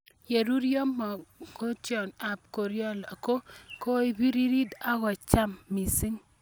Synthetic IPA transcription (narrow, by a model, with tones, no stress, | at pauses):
je˨ɾu˦ɾjo˦mɔ˨ko˦t͡ʃjɔ˨na˨p̚ko˨ɾjɔ˦la˨ko˦ko˦i˨bi˦ɾi˦ɾi˦d̪a˦ɡɔ˨t͡ʃa˦mːi˨si˦ŋ